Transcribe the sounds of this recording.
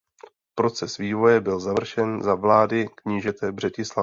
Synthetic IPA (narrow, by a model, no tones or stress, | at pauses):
pɾo̞t͡sɛsviːvo̞jɛbɪlzavr̩ʃɛnzavlaːdɪkɲiːʒɛt̪ɛbr̝ɛcɪsla